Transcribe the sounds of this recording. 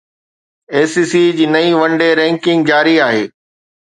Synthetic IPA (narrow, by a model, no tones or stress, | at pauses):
eːsiːsid͡ʑiːnɐĩʋɐ̃ɳɖeɾɛ̃ːŋkɪ̃ŋɡ̚d͡ʑaːɾiaːɦeː